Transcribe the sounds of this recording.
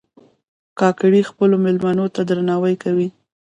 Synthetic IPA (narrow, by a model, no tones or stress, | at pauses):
kɑkɽixpəlomɪlmanot̪ad̪ɾanɑwəjkawi